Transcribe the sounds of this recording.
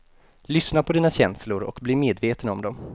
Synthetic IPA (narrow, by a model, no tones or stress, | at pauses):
lʏsnapʰɔd̪iːnaɕɛnslʊɾɔ̰kbliːmeːd̪veːt̪ənɔmd̪ɔm